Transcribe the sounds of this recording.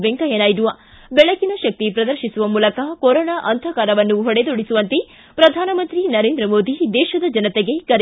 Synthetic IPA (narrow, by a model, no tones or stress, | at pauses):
ʋeŋkɐjɐnaːjid̪uʋɐ | bɛɭɐkinɐʃɐk̚t̪ipɾɐd̪ɐɾʃisuʋɐmuːlɐkɐkoɾoːnaːʔɐnd̪ʱɐkaːɾɐʋɐnːuɦɔɽed̪oɽisuʋɐnt̪e | pɾɐd̪ʱaːnɐmɐnt̪ɾinɐɾeːnd̪ɾɐmoːd̪id̪ɛːʃɐd̪ɐd͡ʒɐnɐt̪eɡe̞kɐɾ